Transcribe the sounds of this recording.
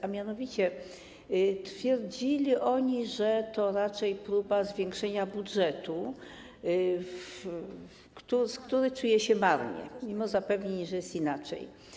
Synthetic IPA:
amʲjanɔvʲit͡ɕɛ | t̪fʲjɛɾd͡ʑilʲiʔɔɲiʐɛt̪ɔɾat͡ʂɛjpɾubazvʲjɛ̃ŋkʂɛɲabudʐɛt̪u | ff | kt̪uskt̪uɾɘt͡ʂujɛɕɛmaɾɲɛ̰mʲimɔzapɛvɲeɲʐɛjɛst̪inat͡ʂɛ̰j

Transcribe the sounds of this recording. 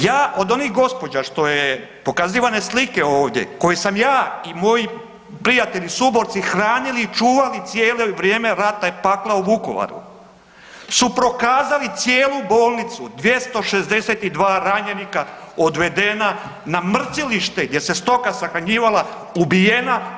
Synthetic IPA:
jaːʔo̞d̪o̞niɣɡo̞spo̞d͡ʑaʃt̪o̞jepo̞kaziːʋane̞slike̞o̞ːʋd̪jḛko̞jesamjaːimo̞ji | pɾijat̪e̞ʎisubo̞ɾt̪sixɾaːniliːt͡ʃuːʋalit̪sjeːleʋɾjeːme̞ɾat̪apaklauʋuko̞̰ʋa̰ɾṵ | supɾo̞kaːzalit̪sjeːlˠubo̞ːlˠnit̪sud̪ʋje̞st̪o̞ʃe̞zd̪e̞set̪id̪ʋaːɾaɲenikaod̪ʋe̞d̪e̞na | namr̩ziliʃt̪eɡd̪je̞se̞st̪o̞kasaxɾaɲiːʋala | ubijena

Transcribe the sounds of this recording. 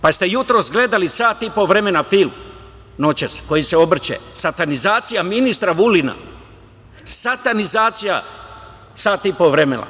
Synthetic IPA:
past̪e̞jut̪ɾo̞sɡle̞d̪alisaːt̪ipo̞ʋɾe̞me̞nafilˠm | no̞t͡ɕesko̞jiseo̞br̩t͡ɕḛsat̪anizaːt̪sijaminist̪ɾaʋulina̰ | sat̪anizaːt̪sija̰ | saːt̪ipoʋɾemena̰

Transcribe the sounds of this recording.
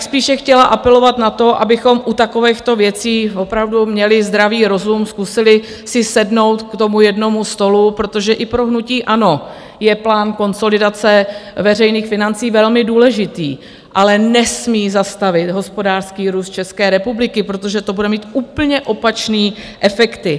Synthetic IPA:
spiːʃɛxcɛlaʔapɛlo̞vat̪nat̪o̞ʔa̰bɪxo̞mʔut̪ako̞vɛxt̪o̞vjɛt͡siːvo̞pɾavdumɲɛlɪzd̪ɾaviːɾo̞zumskusɪlɪ | sɪsɛdno̞wt̪kt̪o̞mujɛdno̞must̪o̞lupɾo̞t̪oʒɛʔɪpɾoɦnuciːʔano̞ | jɛplaːnko̞nso̞lɪdat͡sɛvɛrɛjniːxfɪnant͡siːvɛlmɪduːlɛʒɪt̪iː | ʔalɛnɛsmiːzast̪avɪt̪ɦo̞spo̞daːrskiːɾuːst̪t͡ʃɛskɛːɾɛpublɪkɪpɾo̞t̪o̞ʒɛt̪o̞budɛmiːt̪ʔuːpl̩ɲɛʔo̞pat͡ʃniːʔɛfɛkt̪ɪ

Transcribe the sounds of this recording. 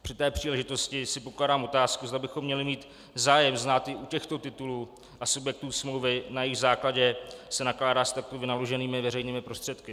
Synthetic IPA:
pr̝̥ɪt̪ɛːpr̝̥iːlɛʒɪt̪o̞scɪsɪpo̞klaːdaːmo̞t̪aːskuzd̪abɪxo̞mːɲɛlɪmiːt̪ | zaːjɛmznaːt̪ɪʔucɛxt̪o̞t̪ɪt̪ulu | ʔasubjɛk̚t̪uːsmlowvɪnajɪɣzaːklaɟɛsɛnaklaːdaːst̪ak̚t̪ovɪnalo̞ʒɛniːmɪvɛrɛjniːmɪpɾo̞st̪r̥ɛt̪kɪ

